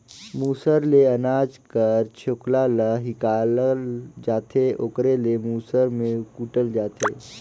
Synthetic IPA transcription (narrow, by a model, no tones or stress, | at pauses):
muːsəɾleɐnaːd͡ʒkəɾt͡ʃʰoːklaləɦɪkaːləld͡ʒaːt̪ʰeʔokɾelemuːsəɾmẽkuːʈəld͡ʒaːt̪ʰeː